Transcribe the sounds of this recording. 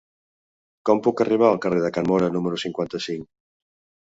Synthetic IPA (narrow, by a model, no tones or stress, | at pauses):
kɔmpukariβ̞aːlˠkareðəkanmɔɾɐnuməɾusiŋkwant̪əsiŋ